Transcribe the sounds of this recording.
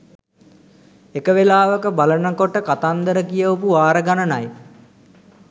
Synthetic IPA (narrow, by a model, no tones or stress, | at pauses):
ekəʋelaːʋəkəbalənəkoʈəkat̪and̪əɾəkijəopuʋaːɾəɡanənaj